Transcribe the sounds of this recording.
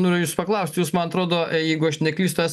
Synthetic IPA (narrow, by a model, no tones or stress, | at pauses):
noːɾʲɪjʊjuːspɐklˠɐʊsʲt̪ʲjuːsmɐnɐt̪ɾoːd̪oːjɛɪɡʊɐʃnʲɛklʲiːst̪ʊæːs